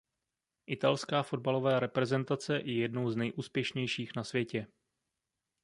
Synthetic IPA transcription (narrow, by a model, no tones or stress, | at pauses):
ʔɪt̪alskaːfo̞d̚balo̞vaːɾɛpɾɛzɛnt̪at͡sɛjɛjɛdnowznɛjʔuːspjɛʃɲɛjʃiːxnasvjɛcɛ